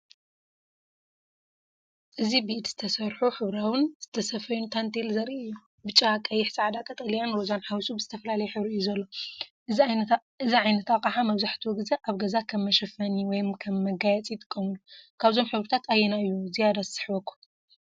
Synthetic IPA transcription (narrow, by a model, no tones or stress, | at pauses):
ʔɨzibiʔt̪zɨ̥t̪ʰɐsɐɾħuħɨβɾawɨnz̥ɨt̪ʰɐsɐfɐjunt̪ʰant̪ʰelzɐɾiʔɨjːu | bɨt͡ʃʼːakʼɐjɪħsaʕad̪ak̪ʼɐt̪ʼɐlijanɾozanħawisubɨzɨ̥t̪ʰɐfɐlalɐjɛħɨβɾjːuzɐlːo̞ | ɨziʕajnɐt̪akʼaħamɐβzaħt̪ʰuwɡɨzeʔaβɡɐzakʰɐmːɐʃɐfɐniwɔjmkʰɐmːɐɡajɛt͡sʼijt̪ʼɨ̥kʼːɐmulukʰaβzo̞mħɨβɾɨt̪ʰat̪ʰajːɛnaɨjːuzijad̪assɨ̥ħbɐkʰːu̥